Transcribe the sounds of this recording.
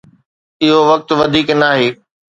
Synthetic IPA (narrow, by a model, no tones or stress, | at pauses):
ɪɦoʋɐk̚t̪ʋɐd̪ʱiːknaːɦeː